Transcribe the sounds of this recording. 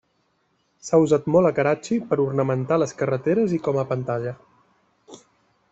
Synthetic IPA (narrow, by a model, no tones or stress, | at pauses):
sauzat̪mɔlˠəkəɾat͡ʃipəɾurnəmənt̪aləskərət̪eɾəzikɔməpənt̪aʎə